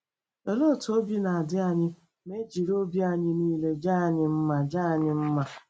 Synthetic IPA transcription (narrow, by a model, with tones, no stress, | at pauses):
o˨lo˦˨to˦bi˦na˨a˨dɪ˦a˦˨ɲɪ˦ | me˦d͡ʒi˨ɾo˦bi˦a˨ɲɪ˦niː˦le˦d͡ʒaː˦a˨ɲɪ˦m̩˦ma˨d͡ʒaː˦a˨ɲɪ˦m̩˦ma˨